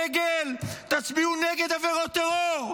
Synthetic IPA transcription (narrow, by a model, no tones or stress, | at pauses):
ɡelt̪at͡sbiuneɡed̪aveʁot̪eʁoʁ